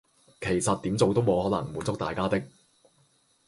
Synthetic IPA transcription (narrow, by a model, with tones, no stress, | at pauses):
kʰe˨˩jsɐ˨t̪̚i˨˥mt͡so˨wt̪o˥wmo˨˧whɔː˨˥nɐ̰˨˩ŋmuː˨˥nt͡sʊ˥k̚t̪aː˨jkaː˥t̪ɪ˥k̚